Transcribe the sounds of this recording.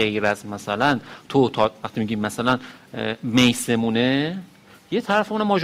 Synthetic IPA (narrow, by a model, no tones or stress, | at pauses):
ejɾæzmæsælænt̪ʰot̪ʰɒːvæχt̪ʰiːmiɟiːmːæsælæn | mejse̞mune | jet̪ʰæɾæfemunæmɒːd͡ʒ